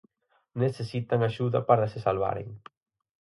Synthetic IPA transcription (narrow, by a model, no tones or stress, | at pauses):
neθesit̪aŋaʃuðɐ̰paɾasesalβ̞a̰ɾḛŋ